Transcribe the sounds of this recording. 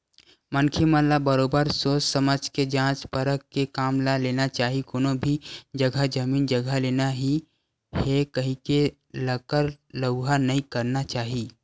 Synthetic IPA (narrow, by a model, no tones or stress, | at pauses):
mənkʰimənlabəɾoːbəɾsoːssəməd͡ʒked͡ʒãːt͡ʃpəɾəkːekaːmlaleːnat͡ʃaːɦikoːnõbʱid͡ʒɐɡʱəd͡ʒɐmiːnd͡ʒəɡʱəleːnaɦi | hekɐɦĩke | ləkəɾləɡɦanɐɦĩkɐɾnat͡ʃaːɦiː